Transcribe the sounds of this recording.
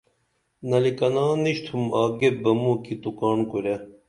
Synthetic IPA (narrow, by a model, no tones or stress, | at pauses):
nɐlikɐnaːniɕt̪ʰumaːɡebɐmukit̪ukaːnkuɾe